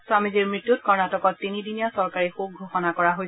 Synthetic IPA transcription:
swamiziɹmɹitːutkɔɹnatɔkɔtːinidinijasɔɹkaɹixuxɡʱoxɔnakɔɹaɦoj

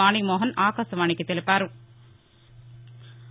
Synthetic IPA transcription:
aːɳimoːɦɐnaːkaːsɐʋaːɳɪkːɯt̪ːɛlɪpːaːɾɯ

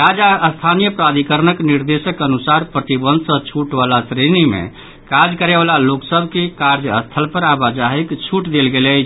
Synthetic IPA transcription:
ɾad͡ʒaəst̪ʰanijəpɾad̪ʱikəɾnəkniɾd̪esəkənusaɾpɾət̪ibə̃nd̪ʱsə̃t͡ʃʰuʈbalasɾenimḛ | kad͡ʒkəɾebalaloksəbʱkekaɾd͡ʒəst̪ʰəlpəɾabad͡ʒaɦikt͡ʃʰuʈd̪elɡelɛ

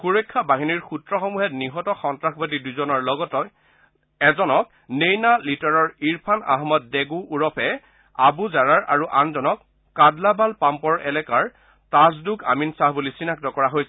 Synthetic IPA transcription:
xuɹejkʰːabaɦiniɹxutɹɔxɔmuɦɛtniɦɔtɔxɔntɹaxbatiduzɔnɔɹlɔɡɔtɔ | ɛzɔnɔk̚ | nejnalitɔɹɔɹiɹpʰana̰ɦmɔt̚deɡuʔːɹɔpʰɛ | abuzaɹaɹʔa̰ɹuʔanzɔnɔkː | adlabalpampɔɹɛ̰lɛkaɹ | tazduka̰minsaɦbulisinak̚tɔkɔɹaɦojsɛ

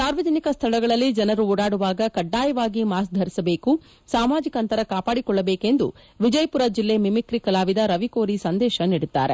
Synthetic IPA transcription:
saːɾʋɐd͡ʒ̪ɐnikɐst̪ʰɐɭɐɡɐɭɐlːid͡ʒɐnɐɾuɔːɽaːɽuʋaːɡɐkɐɖːaːjɐʋaːɡimaːsd̪ʱɐɾisɐbe̞ːku | saːmaːd͡ʒikɐnt̪ɐɾɐkaːpaːɽikɔɭːɐbeːke̞nd̪ṵ | ʋid͡ʒɐjpuɾɐd͡ʒilːe̞mimikɾikɐlaːʋid̪ɐɾɐʋiko̞ːɾisɐnd̪ɛːʃɐniɽut̪ːa̰ːɾe

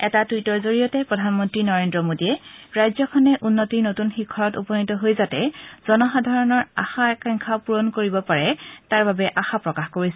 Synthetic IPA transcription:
ɛtadujtɔɹzoɹijɔtɛpɹɔdʱanmɔntɹinɔɹendɹɔmodijɛɹajzɔkʰɔnɛʔunːotiɹnotunxikʰːɔɹɔtṵpɔnitɔɦojzatɛ̰z̥ɔnɔxadʱaɹɔnɔɹa̰xaɛkaŋkʰapuɹɔnkoɹibɔpaɹɛtaɹbabɛʔaxapɹɔkaxkoɹisɛ

